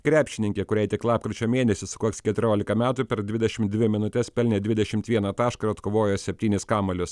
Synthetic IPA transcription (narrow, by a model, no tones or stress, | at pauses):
kɾʲæːpʲʃʲɪnʲɪŋkʲekʊɾʲɛɪt̪ʲɪklˠɑːp̚kɾʲɪt͡ʃʲoːmʲeːnʲɛsʲɪsʊkuɔkskʲɛt̪ʊɾʲoːlʲɪkɐmʲæːt̪upʲɛɾd̪ʲʋʲɪd̪ʲɛʃʲɪmt̪d̪ʲʋʲɪmʲɪnʊt̪ʲɛspʲɛlʲnʲeːd̪ʲʋʲɪd̪ʲɛʃʲɪmt̪ʋʲiɛnɐt̪ɑːʃkɐɾɐt̪koːʋoːjoːsʲɛpʲt̪ʲiːnʲɪskɑːmɐlʲʊs